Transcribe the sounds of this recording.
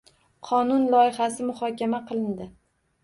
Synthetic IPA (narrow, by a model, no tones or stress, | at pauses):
qʰɒnʊnlˠɒjɪχasɪmʊχɒkʲamaqʰɨlˠɪnd̪ɪ